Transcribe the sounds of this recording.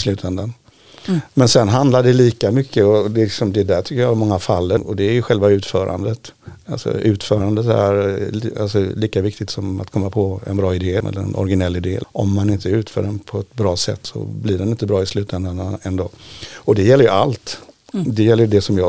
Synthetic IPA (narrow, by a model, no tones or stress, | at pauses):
slʉ̟ːt̪ʰɛnd̪an | mɛnsɛnɦand̪laɖɛliːkamʏkʰːəɔd̪ɛlɪksɔmd̪ɛd̪æʈʰʏkːəjɑːmɔŋːafalːəɔd̪ɛːɾjɵɧɛlvaʉ̟ːt̪fœːɾʔa̰nd̪ət̪alsɔ̰ʉ̟ːt̪fœːɾand̪ət̪æ̰ɾa̰lsɔliːkavɪkt̪ɪt̪sɔma̰t̪kʰɔmːapʰɔɛ̰nbɾɑːɪd̪eːɛ̰lːə̰ɾɛ̰nʔɔ̰ɾɡɪnɛlːɪd̪ḛːʔɔ̰mːanɪnt̪əɛɾʉ̟ːt̪fœ̰ːɖɛnpʰɔɛt̪bɾɑːsɛ̰t̪ːsɔ̰blɪɖɛnɪnt̪əbɾɑːɪslʉ̟ːt̪ɛnd̪and̪anɛnd̪oːɔd̪ɛjɛlːəjɵalt̪ | d̪ɛjɛlːəjɵd̪ɛsɔmjɑː